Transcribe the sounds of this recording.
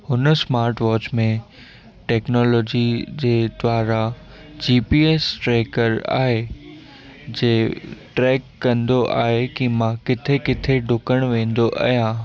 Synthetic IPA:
hʊnəsmaːɾʈʋɔːt͡ɕmẽ | ʈɛːknɔːlɔːd͡ʑid͡ʑeːd̪ʋaːɾa | d͡ʑiːpiːeːsʈɾeːkəɾa̰ːɦe | d͡ʑeːʈɾɛːkːɐ̃nd̪oʔa̰ːɦekimãkɪt̪ʰekɪt̪ʰeɖʱʊkəɽ̃ʋẽːn̆d̪oʔɐ̰ɦijãː

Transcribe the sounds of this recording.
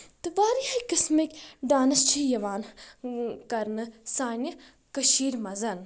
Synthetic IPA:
t̪ɨʋaːɾihakɨsmɐkʲɖaːnɐst͡ʃʰijɐʋaːn | kɐɾnɨsaːnʲjɐ | kɐʃiːɾmɐzɐn

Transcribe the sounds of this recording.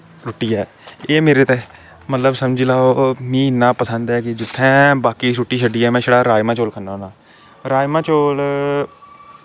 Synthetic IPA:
ɾoːʈːiːɛː | eːmeːɾeːt̪eː | mət̪ləbsəmd͡ʒilaːomĩːɪnːãːpəsənd̪ɛːkɪd͡ʒɪt̪ʰːɛ̃ːbaːkiːsuʈːiːʃəɖiːɛːmɛ̃ːʃəɽaːɾaːjmãːt͡ʃoːlkʰənanãː | ɾaːjmãːt͡ʃoːl

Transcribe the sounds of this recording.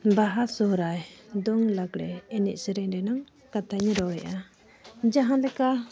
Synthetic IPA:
baɦasɔhɾajd̪ɔŋlaɡɾɛ̰ɛnḭʔ̚səɾɛɾɛnaŋ | kat̪ʰajɲɾɔwɾɛ̰ʔa | d͡ʒaɦãlɛka

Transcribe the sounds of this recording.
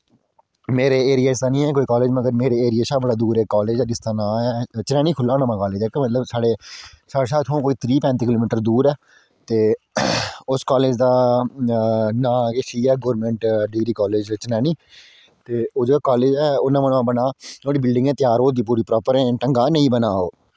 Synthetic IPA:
meːɾeːeːɾɪjaːɪsaːnĩːɛːk̬oːiːkaːleːd͡ʒməɡəɾmeːɾeːeːɾɪjeːʃaːbəɽaːd̪uːɾɛːkɔːleːd͡ʒɛːdɪst̪aːnãːɛːt͡ʃənɛːniːkʰʊlːaːnãːmãːkɔːleːd͡ʒɛːkemət̪ləbsaːɽeː | saːɽeːsaːt̪ʰɦõːkoːiːt̪ʰɾiːpɛ̃ːnt̪iːkɪloːmɪːʈəɾd̪uːɾɛː | t̪eː | ʊskaːleːd͡ʒd̪aː | nãːkeʃiːɛːɡoːɾmɛ̃ːɳʈɖiːɾiːkɔːleːd͡ʒt͡ʃənɛːniː | t̪eːoːd͡ʒeːaːkaːleːd͡ʒɛːoːnãːmənːãːbənaːõːɽiːbɪlɖɪ̃ŋɡɛ̃ːt̪ɪjaːɾoːd̪iːp̬uːɾiːpɾɔːpəɾɛ̃ːʈəŋɡaːnəĩːbənaːoː

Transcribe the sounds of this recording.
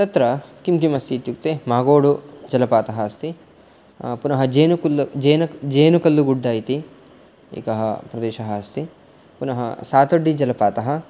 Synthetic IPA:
t̪ɐt̪ɾɐkimkimɐst̪iːt̪juk̚t̪emaːɡoːɽud͡ʒɐlɐpaːt̪ɐɦɐɐst̪i | punɐɦɐd͡ʒeːnukulːd͡ʒeːnɐd͡ʒeːnukɐlːuɡuɖːaːjt̪i | ḭːkɐɦɐ̰pɾɐd̪eːʃɐɦɐɐst̪i | punɐɦɐ̰saːt̪oɖːid͡ʒɐlɐpaːt̪ɐɦɐ̆

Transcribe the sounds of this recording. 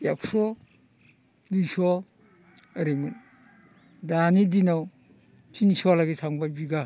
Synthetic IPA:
aksɔ | disɔ | əɾemun | danidinaw | tʰinsɔalaɡisʰaŋbajbiɡa

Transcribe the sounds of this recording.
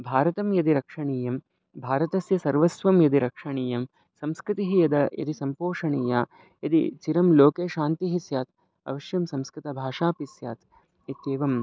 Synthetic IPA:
bʱaːɾɐt̪ɐmjɐd̪iɾɐkʂɐɳiːjɐm | bʱaːɾɐt̪ɐsjɐsɐɾʋɐsʋɐmjɐd̪iɾɐkʂɐɳiːjɐm | sɐmskɾɪt̪iɦijɐd̪ɐjɐ̰t̪isɐmpoːʂɐɳiːjaː | jɐd̪ḭt͡ʃiɾɐmloːkeːʃaːnt̪iɦisjaːt̪̚ | ɐ̰ʋɐʃjɐmsɐmskɾɪt̪ɐbʱaːʂaːpisja̰ːt̪ | it̪eːʋɐm

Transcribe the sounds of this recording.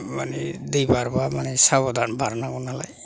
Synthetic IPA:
manid̪ejbaɾbamanisaβɔd̪anbʱaɾnaɡɔnala̰j

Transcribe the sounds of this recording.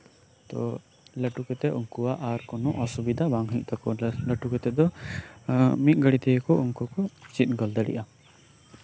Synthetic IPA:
t̪ɔ̰ | ləʈukɛt̪ɛʔuŋkuwaʔaɾkɔnɔʔɔsubid̪abaŋɦiʔ̚t̪ʰakɔləʈukɛt̪ɛd̪ɔ | mit̪̚ˀɡəɽit̪ɛjɛkɔuŋkɔkɔt͡ʃit̪̚ˀɡɔld̪əɽḭʔa

